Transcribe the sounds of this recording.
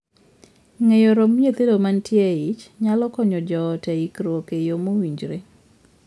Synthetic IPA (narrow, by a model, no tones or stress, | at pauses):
ŋejoɾomjet̪edomantjeɪt͡ʃɲalɔkɔɲɔd͡ʒɔtɛikɾwokejomowiɲd͡ʒɾe